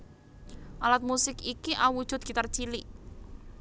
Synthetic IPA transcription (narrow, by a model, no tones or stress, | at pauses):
ʔalat̪̚musɪkikiʔauwud̥ʒ̥ʊ̤t̪̚ɡ̥it̪ər̥t͡ʃili